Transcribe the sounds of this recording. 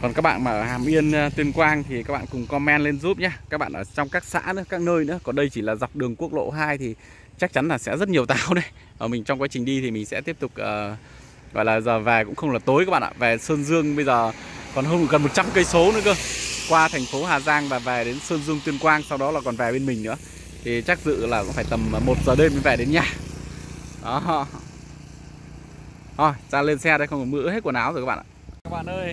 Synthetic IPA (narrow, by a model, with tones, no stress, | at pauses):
kɔ˨˩nkaː˦˥k̚ɓa̰ː˧˨nmaː˨˩ʔəː˧˩haː˨˩mʔi˧ən˧t̪wi˧ənkwaː˧ŋt̪ʰi˨˩ka˦˥k̚ɓa̰ː˧˨kʊ˨˩ŋ͡mkɔ˧mɛ˧nle˧nzu˦˥p̚ɲaː˧kaː˦˥k̚ɓa̰ː˧˨ʔəː˧˩t͡ɕɔ˧wŋ͡mkaː˦˥k̚sa̰ː˧˥nɨ̰˧˥əkaː˦˥k̚nəː˧jnɨ̰˧˥əkɔ˨˩nɗə˧jt͡ɕi˧˩laː˨˩za˨˩wk͡p̚ɗɨ˨˩əŋku˦˥ək̚lo̰˧˨ɦaː˧jt̪ʰi˨˩ | t͡ɕa˦˥k̚t͡ɕa˨˦nlaː˨˩sɛ̰˧˥zə˦˥t̚ɲi˨˩əwt̪aː˨˩wɗe˧ | ʔəː˧˩mï˨˩ŋ̟t͡ɕɔ˧ŋ͡mka˨˦t͡ɕï˨˩ŋ̟ɗi˧t̪ʰi˨˩mï˨ŋ̟sɛ̰˧˥t̪i˦˥əp̚t̪ʊ˨˩k͡p̚ʔəː˨˩ | ɣɔ̰˧˨jlaː˨˩zəː˨˩vɛ˨˩kʊ̰˧˥ŋ͡mxə˧wŋ͡mlaː˨˩t̪o˨˦jkaː˦˥ɓa̰ː˧˨ʔa̰ː˧˨˩vɛ˨˩səː˧nzɨ˧əŋɓə˧jzəː˨˩kɔ˨˩nhɦəː˧nm˨˧˩kə˨˩nmo˨˩t̚t͡ɕa˧mkə˧jso˨˦nɨ̰˧˥kəː˧kwaː˧t̪ʰɛ˨˩jŋ̟fo˨˦ɦaː˨˩zaː˧ŋvaː˨˩vɛ˨˩ɗe˨˦nsəː˧nzɨ˧əŋt̪wi˧ənkwaː˧nsa˧wɗɔ˨˦laː˨˩kɔ˨˩nvɛ˨˩ɓe˧nmï˨˩ŋ̟nɨ̰˧˥ə | t̪ʰi˨˩t͡ɕa˦˥k̚zɨ̰˧˨laː˨˩kʊ̰˧˥ŋ͡mfaː˧˩jt̪ə˨˩mː˨˩mo˨˩t̚zəː˨˩ɗe˧mi˨˩vɛː˨˩ɗe˨˦nɲaː˧˩ | ɗɔ˨˦ɦɔ̰˧ | hɔ˧˩zaː˧le˧nsɛ˧ɗə˧xə˧wŋ͡mmɨ̰˧˥he˦˥t̚ku˧˩naː˨˩wzo˨˩ka˦ɓa̰ː˧˨ʔa̰ː˧˨kaː˦˥k̚ɓa̰ː˧˨nʔəː˧j